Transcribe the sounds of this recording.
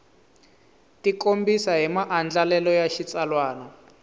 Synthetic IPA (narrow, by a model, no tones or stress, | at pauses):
tikombisaɦimaʔand͡ɮalɛlɔjaʃit͡salwaːnɔ